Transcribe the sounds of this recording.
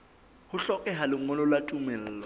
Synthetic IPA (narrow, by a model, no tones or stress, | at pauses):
hʊɬɔkʼɛɦalɪŋɔlɔlwatʼumɛl̩ːlɔ